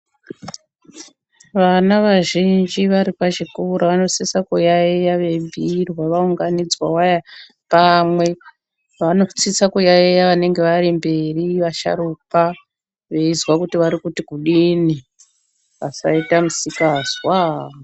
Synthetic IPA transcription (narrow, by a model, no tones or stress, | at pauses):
ʋanaʋaʒind͡ʒiʋaɾipaʒikuɾaʋano̞t͡sisakujaijaʋe̞bʱirwaʋauŋɡanid͡zwawaja | pamwe̞ | ʋano̞t͡sisakujaejaʋane̞ŋɡe̞ʋaɾimbe̞riʋaʃa̰ɾupa | ʋe̞izwakutiʋaɾikutikuɗini | ʋasa̰itamusikaːzwa